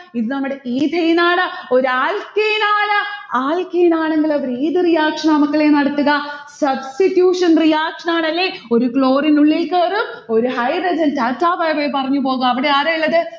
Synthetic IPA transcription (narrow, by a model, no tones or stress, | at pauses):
iðɨnɐmːuɽeʔiːd̪ʱɐjinaːɳɨo̞ɾaːlkɐjinaːɳɨaːlkɐjnaːɳeŋɡilɐʋɐɾiːd̪ɨrijaːkʂɐnɐmɐkːɐɭeːnɐɽɐt̪ːuɣɐsɐbstitjuːʂɐnrijaːkʂɐnaːɳɐlːeo̞ɾukɭo̞ːrinuɭːelkːɐːrumo̞ɾuɦɐjbɐd͡ʑɐntɐtːaːfɐjbeːjpɐrɐɲːup̬o̞ːɣɐːʋiɽeaːɾɐilːɐðɨ